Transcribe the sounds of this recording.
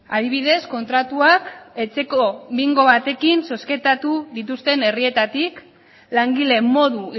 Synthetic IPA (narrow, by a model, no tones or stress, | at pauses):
aðiβ̞iðe̞sko̞nt̪ɾat̪uake̞t͡se̞ko̞βiŋɡo̞β̞at̪e̞kinso̞ske̞t̪at̪uðit̪ust̪e̞ne̞rie̞t̪at̪ik | laŋɡile̞mo̞ðu